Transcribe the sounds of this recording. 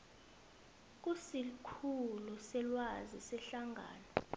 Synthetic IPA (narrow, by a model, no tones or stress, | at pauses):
k̬ʼusikʰulusɛlwazisɛɬaŋʱa̰ːnɔ